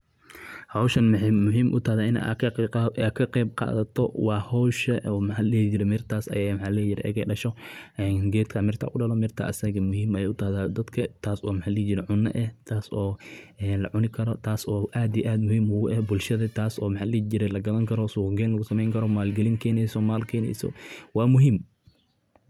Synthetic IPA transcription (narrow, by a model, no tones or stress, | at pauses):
hɐwʃɐnmʊħːʊɦiːmʔʊ̰t̪ʰɐhðaɪn̰ː | kʰɐqɛːb̚qɑ̰ːðɐt̪ʰɔwɑːhɔwʃɐɔːmħaːlɛːt͡ʃɪɾɛmɪrt̪ʰaːsɐ̰jamħaːlɛːjɪɾɛʔɛ̰ɣɛ̰ɖɐʃɔʔɛːnɡɛːd̪kʰɐːmɪrt̪ʰa̰ːkʊɖɐlɔmɪrt̪ʰa̰ːʔɐsɐɣɐmʊɦiːmɐjɛʊt̪ʰɐhðaːd̪ɐd̪kʰɐt̪ʰaːsɔːmħalɛːt͡ʃɪɾɛʕʊnːɐ̰ʔɛht̪ʰaːsɔːʔɛːnlɐ̰ʕʊnɪkʰɐɾɔt̪ʰaːsɔːʔaːd̪ijʔaːd̪mʊhiːmʊɣʊʔɛbʊlʃɐðɐt̪ʰaːsɔːmɑħaːlɛːt͡ʃɪɾɛlɐɡɐðɐŋkʰɐɾɔsʊɡɛːnlɐɣʊsɐmɛjŋkʰɐɾɔmaːlɡɐliŋkʰɛːnɛjsɔmaːlkʰɛːnɛ̰jsɔ̰wɑːmʊɦɪm